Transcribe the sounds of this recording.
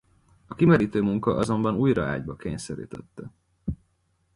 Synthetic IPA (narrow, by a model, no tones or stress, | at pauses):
ɒkimɛɾiːt̪øːmuŋkɒʔɒzo̞mbɒnuːjɾɒa̰ːɟbɒkeːɲsɛɾḭːt̪ʰɛt̪ːɛ